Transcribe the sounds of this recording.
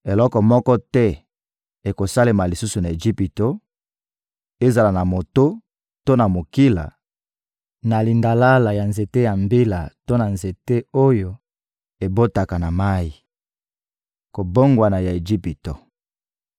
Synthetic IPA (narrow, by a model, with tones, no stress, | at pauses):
e˨lɔ˦kɔ˨mɔ˦kɔ˦tɛ˦ | e˨ko˨sa˦le˨ma˨li˨su˦su˨na˨e˨d͡ʒi˦pi˨to˦ | e˦za˨la˨na˨mo˨to˦ | to˦na˨mo˨ki˦la̰˨ | na˨li˨nda˨la˦la˨ja˨nze˨te˦ja˨mbi˦la˨to˦na˨nze˨te˦o˦jo˨ | e˨bo˦ta˨ka˨na˨ma˦ji˨ | ko˨bo˦ŋɡwa˨na˨ja˨e˨ʒi˦pi˨to˨